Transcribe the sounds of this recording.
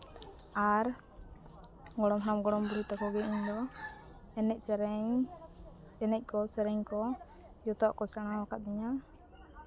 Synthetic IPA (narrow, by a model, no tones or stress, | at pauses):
aɾ | ɡɔɽɔmɦɔɾamɡɔɽɔmbuɾut̪akɔɡɛiɲd̪ɔ | ɛnɛc̚ˀɾ | ɛnɛc̚ˀkɔsɛɾɛŋkɔ | jɔt̪ɔʔkɔsaɽ̃awakat̪̚d̪iɲa